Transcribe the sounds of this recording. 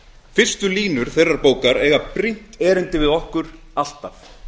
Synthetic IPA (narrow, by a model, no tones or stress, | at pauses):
fɪr̥st̪ʏliːnʏɾ̥θejrːaɾpoːwkaɾɛːɣapɾin̥t̪ɛːɾɪnt̪ɪvɪðɔhkʏɾ̥ | al̥t̪af